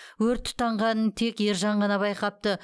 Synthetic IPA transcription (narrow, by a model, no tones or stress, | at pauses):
wɵɾt̪ʰːʊ̥t̪ːɑɴʁɑnənt̪ʰe̞kje̞ɾʒɑɴʁɑnɑβbɑjqɑp̚t̪ə